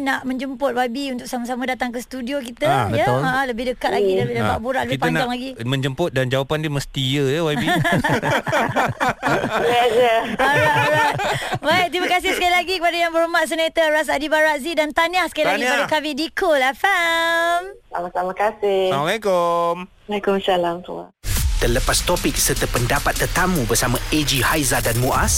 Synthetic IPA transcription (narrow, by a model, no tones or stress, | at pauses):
naʔmə̃ɲd͡ʒəmpʊt̪̚wabiunt̪ʊk̚samas̬amãdat̪aŋkəsə̥t̪udiok̬it̪ajəaʔaləbɪhdəkat̪̚laɡidabilaba̰ʔbuɾaʔləbitpɲnd͡ʒaŋlaɡimə̃ɲd͡ʒəmpʊt̪̚dand͡ʒawapandimə̃st̪ijəjəwai | lɛd͡ʒəɔɾajt̪ɔɾat̪bait̪ɾimakas̬ɪhsəkalilaɡikəpadajaŋbəɾumaʔs̬ənet̪əɾas̬adibaɾaʔzidant̪anahsə̥kalilaɡikəpadakamĩdikʰolafamsa̰masamãkasɪmalakomwalekʊmsalamt̪ṵa̰t̪ələpast̪opɪk̚sərt̪əpəndapat̪ːərt̪amubərsamãʔed͡ʒihajzadanmuʔas